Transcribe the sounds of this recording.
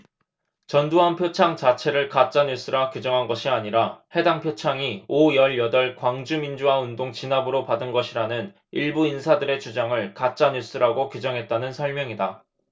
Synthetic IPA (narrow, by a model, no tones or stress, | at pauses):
t͡ɕʌnduɦanpʰjot͡ɕʰaŋt͡ɕat͡ɕʰe̞ɾɯɭkat͡ɕ͈aɲus͈ɯɾakjud͡ʑʌŋɦanɡʌɕʰiaɲiɾahe̞daŋpʰjot͡ɕʰaŋiojʌɭjʌdʌɭkwaŋd͡ʑumind͡ʑuwaundoŋt͡ɕinabɯɾopadɯnɡʌɕʰiɾanɯn | iɭbuinsʰadɯɾe̞t͡ɕud͡ʑaŋɯɭkat͡ɕ͈aɲus͈ɯɾaɡokjud͡ʑʌŋɦe̞t̚t͈anɯnsʰʌɭmjʌŋida